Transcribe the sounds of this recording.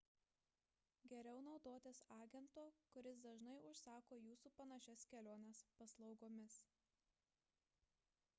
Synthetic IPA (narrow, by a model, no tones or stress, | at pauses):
ɡʲɛɾʲɛʊnɒʊd̪oːt̪ʲesɑːɡʲɛnt̪oːkʊɾʲɪs̬d̪ɐʒnɐɪʊʃsɑːkoːjuːsuːpɐnɐʃʲɛskʲɛlʲoːnʲɛspɐslˠɒʊɡoːmʲɪs